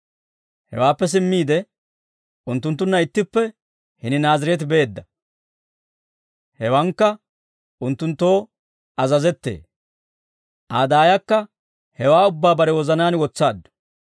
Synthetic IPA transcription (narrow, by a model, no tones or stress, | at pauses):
hɛ̰waːpːɛs̬ɪmːiːd̪ɛ | ʊnt̪ːʊnt̪ːʊnːɐɪt̪ːɪpːɛ | hɪnɪnaːzɪɾɛt̪̬ɪbeːd̪ːɐ | hɛwɐŋkːɐ | ʊnt̪ːʊnt̪ːo̞ː | ɐzɐzɛt̪ːḛː | ʔaːd̪aːjɐkːɐ | hɛwaːʊbːaːbɐɾɛwɔzɐnaːnwɔt͡sːaːd̪ːʊ̥